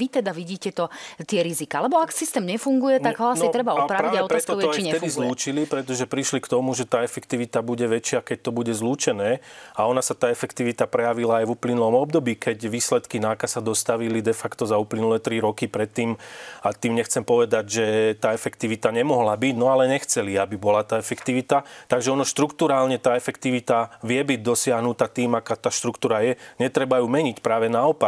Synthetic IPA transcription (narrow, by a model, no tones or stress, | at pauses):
ʋit̪ɛd̪aʋiɟiːcɛt̪ɔt̪ɪɛɾizikaːalɛbɔaksist̪ɛːmɲɛfuŋɡujɛt̪aɡɦɔasit̪ɾɛbaɔpɾaɾiaɔtpɾaɛst̪ɔɔaɛɛd̪izluːt͡ʃilipɾɛt̪ɔʒɛpɾiʃlikt̪ɔmuʒɛt̪aːɛfɛkt̪iʋit̪abuɟɛʋɛt͡ʃɪakɛc̚t̪ɔbuɟɛzluːt͡ʃɛnɛːaɔnasat̪aːɛfɛkt̪iʋit̪apɾɛjaʋilaːjʋuplinulɔmɔb̚d̪ɔbiːkɛcʋiːslɛt̪kinakasad̪ɔst̪aʋilid̪ɛfakt̪ɔzauplinulɛt̪ɾiɾɔkipɾɛt̪ːiːmat̪iːmɲɛxt͡sɛmpɔʋɛd̪aɟʒɛt̪aːɛfɛkt̪iʋit̪aɲɛmɔɦlabiɟnɔalɛɲɛxt͡sɛliabibɔlat̪aːɛfɛkt̪iʋit̪at̪aɡʒɛɔnɔʃt̪ɾukt̪uɾaːlɲɛt̪aːɛfɛkt̪iʋit̪aʋɪɛbiɟ̚d̪ɔsɪaɦnut̪at̪iːmakaːt̪aːʃt̪ɾukt̪uːɾajɛɲɛt̪ɾɛbajuːmɛɲicpɾaːʋɛnaɔpa